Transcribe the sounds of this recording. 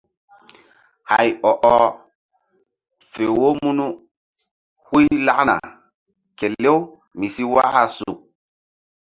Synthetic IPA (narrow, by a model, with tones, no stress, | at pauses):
ha̰˨jɔ˨ʔɔ˦ | fe˨wo˦mu˦nu˦ | hu˦jla˦kna̰˨ | ke˨le˦w | mi˨si˦wa̰˦ha˦su˨k̚